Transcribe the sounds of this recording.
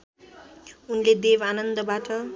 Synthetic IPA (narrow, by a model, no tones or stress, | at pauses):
unled̪ebanʌnd̪ʌbaʈʌ